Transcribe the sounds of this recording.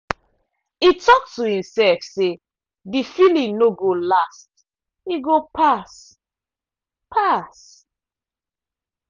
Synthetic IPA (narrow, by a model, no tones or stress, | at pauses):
itʰɔk̚tʰuhĩmsɛlfse | difilĩŋnoɡolast | iɡopʰas | pʰas